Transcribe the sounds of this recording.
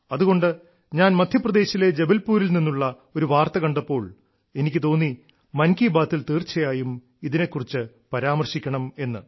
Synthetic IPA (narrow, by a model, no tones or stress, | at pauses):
ɐðuɣo̞ɳɖɨ | ɲaːnmɐd̪ʱjɐprɐd̪e̞ːɕile̞d͡ʑe̞bɐlpuːɾilninːuɭːɐ | o̞ɾuʋaːrt̪ɐɣɐɳɖɐpːo̞ːɭ | e̞nikʲːɨt̪o̞ːnːi | mɐnkiːbaːt̪ːilt̪iːrt͡ɕːɐjaːjum | iðine̞kːurit͡ɕːɨ | pɐɾaːmɐrɕikʲːɐɳɐme̞nːɨ